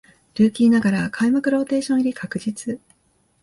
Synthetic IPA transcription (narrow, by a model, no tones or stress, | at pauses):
ɾʲɯːkʲiːnaɡaɾakʰaimakɯ̟ɾo̞ːt̪e̞ːɕõiɾʲikʰakɯ̟d͡ʑit͡sɨ